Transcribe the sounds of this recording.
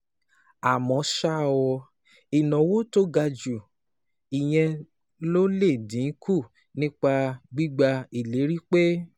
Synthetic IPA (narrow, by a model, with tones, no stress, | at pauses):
a˨mɔ̃˨˦ʃa˦˨wɔ˧ | i˨nɔ̃˨wo˦to˦ɡa˧d͡ʒu˨ | i˨j̃ɛ̃˧ | lo˦le˦˨dĩ˨˦kʰu˦˨ | nĩ˦k͡pa˧ɡ͡bi˦ɡ͡ba˧i˨le˨˦ɾi˦k͡pe˦